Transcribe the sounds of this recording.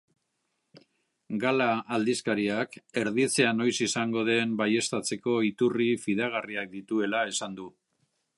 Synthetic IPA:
ɡalaːld̪iskaɾiake̞ɾðit͡se̞ano̞jsisaŋɡo̞ðe̞mbaje̞st̪at͡se̞ko̞it̪urifið̞aɣ̞ariak̚d̪it̪ue̞lae̞sand̪u

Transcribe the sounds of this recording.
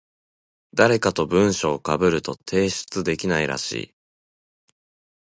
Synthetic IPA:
d̪aɾe̞kat̪o̞bɯ̟̃ɰ̃ɕo̞ːkabɯ̟ɾɯ̟t̪o̞t̪ʰe̞ːɕɨ̥t͡sɨd̪e̞kʲinaiɾa̰ɕḭː

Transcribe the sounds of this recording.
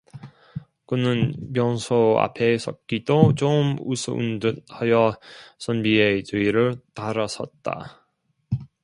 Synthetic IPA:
kɯnɯnmjʌnsʰoa̰pʰe̞s͈ʰʌk͈idot͡ɕomusʰɯ̰ʔṵndɯnhajʌsʰʌnbiet͡ɕɯiɾɯɭtaɾasʰʌt̚t͈a̰

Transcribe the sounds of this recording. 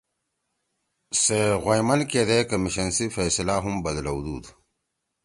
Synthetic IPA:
seɣojmɐnkeːd̪eːkɐmiɕɐnsifeːsilaːɦumbɐd̪lɐud̪uːd̪

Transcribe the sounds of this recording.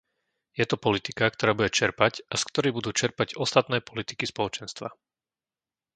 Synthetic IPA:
jɛt̪ɔpɔlit̪ikak̚t̪ɔɾaːbuɟɛt͡ʃɛɾpacʔaskt̪ɔɾibud̪uːt͡ʃɛɾpaɟɔst̪at̪nɛːpɔlit̪i̥kispɔlɔt͡ʃɛnst̪ʋa̰

